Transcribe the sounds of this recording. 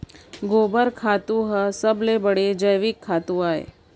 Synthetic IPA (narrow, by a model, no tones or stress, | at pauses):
ɡoːbəɾkʰaːt̪ũɦəsəblebəɽed͡ʒəjʋikʰːat̪ũaːḛ